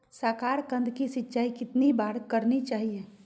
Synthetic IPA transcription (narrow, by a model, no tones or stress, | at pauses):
səkaːɾkə̃nd̪ʱkisɪtːʃaːikɪt̪nibaːɾkəɾnit͡ʃaːɦieː